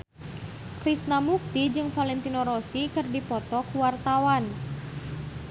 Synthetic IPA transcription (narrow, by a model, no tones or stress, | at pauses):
kɾisnamuk̚t̪id͡ʒɨŋfalɛnt̪inoɾosikɨrdipɔt̪ɔkuwart̪awan